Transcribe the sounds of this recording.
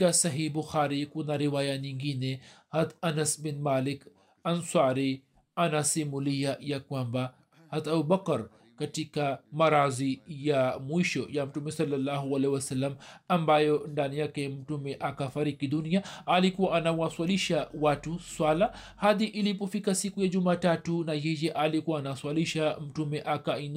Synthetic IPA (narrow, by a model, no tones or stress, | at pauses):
kasɐɦiːbʊxaːɾikunaɾiwaːjaniŋɡinehɐd̪ɐnɐsbɪnmaːlɪk | ɐnsaːɾi | ɐnasimulijajakuamba | hɐd̪ɐbubɐkɐɾ | kɐʈikamɐɾaːzijamuiʃojamʈumesɐlːɐlːaːɦuɐlewɐsɐlːɐmambajɔndanijakɛm̩tumɛʔakafaɾikiɗuniaalikuwaʔːnawaswaliʃawatuswala | haðiʔilip̬ɔfikasikujad͡ʒumaːtatunajɛjɛʔalikuwaːnaswaliʃam̩tumɛʔakain